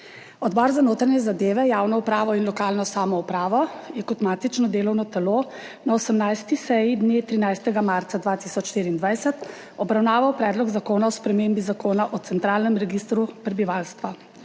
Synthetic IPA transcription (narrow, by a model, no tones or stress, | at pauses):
ɔd̪bɔɾzanoːt̪ɾɛnɛzad̪eːʋɛjawnɔupɾaːʋɔinlɔkaːlnɔsaːmɔupɾaːʋɔjɛkɔt̪maːt̪it͡ʃnɔd̪eːlɔwnɔt̪ɛlo | naɔsəmnajst̪isɛjid̪net̪ɾinajst̪ɛɡamaɾt̪sad̪ʋaːt̪isɔt͡ʃʃt̪iːɾiːnd̪ʋajsɛt̪ | ɔbɾawnaːʋawpɾɛːd̪lɔɡzakoːnaɔspɾɛmembizakoːnaʔɔt̪sɛnt̪ɾaːlnɛmɾɛɡist̪ɾupɾɛbiʋalst̪ʋa